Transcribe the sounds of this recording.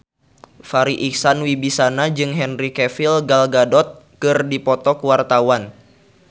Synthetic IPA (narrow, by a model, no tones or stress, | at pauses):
faɾiʔiksanwibisanad͡ʒɨŋɦɛnrikɛfilɡalɡadɔt̪̚kɨrdipɔt̪ɔkuwart̪awan